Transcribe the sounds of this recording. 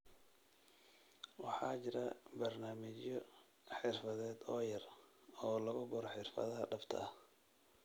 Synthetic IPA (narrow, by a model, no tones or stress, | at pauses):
wɑħɑːt͡ʃɪɾɐbɐrnaːmɪt͡ʃjɔ | ħɪrfɐðɛːd̪ɔːjɐrɔːlɐɣʊbʊɾħɪrfɐ̰ðɐɦɐɖɐbt̪ʰɐ̰ɐh